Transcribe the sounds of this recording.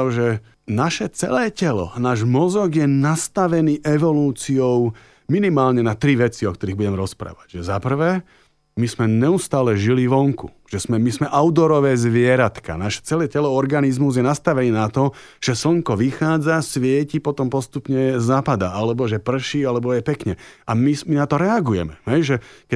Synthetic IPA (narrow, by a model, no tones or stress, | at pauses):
ʒɛ | naʃɛt͡sɛ̰lɛːcɛlɔ̰naːʒmɔzɔɡjɛnast̪aʋɛniːʔɛʋɔluːt͡siɔʊ | minimaːlɲɛnat̪ɾiʋɛt͡siɔk̚t̪ɔɾiːɣbuɟɛmɾɔspɾa̰ːʋaɟʒɛzapr̩ʋɛː | mismɛɲɛust̪aːlɛʒiliʋɔŋkṵ | ʒ̥ɛsmɛmismɛʔaʊd̪ɔɾɔʋɛːzʋɪɛɾat̪ka̰naʃɛ̥t͡sɛlɛcɛlɔɔɾɡanizmuzjɛnast̪aʋɛniːnat̪ɔ | ʒ̥ɛsl̩ŋkɔʋixaːd͡zasʋɪɛcipɔt̪ɔmpɔst̪upɲɛzaːpad̪aalɛbɔʒɛpr̩ʃialɛbɔjɛpɛkɲɛamiminat̪ɔɾɛaɡujɛ̰mɛɦɛjʒɛkɛ